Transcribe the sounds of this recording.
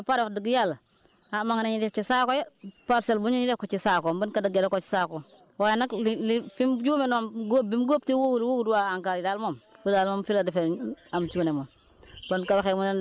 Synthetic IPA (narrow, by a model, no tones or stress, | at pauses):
apaɾokdəɡjal | amaŋneɲidef̚t͡ʃisakojepaɾselbuɲiɲidekot͡ʃisakombənkadəɡjalkot͡ʃi̥sako | wajenakllifimd͡ʒumenamɡobimɡop̚tiwoɡulwoɡuduwaaŋkaɾidalmomkudalmomfiladifeamt͡ʃunemom | bənkabxemunn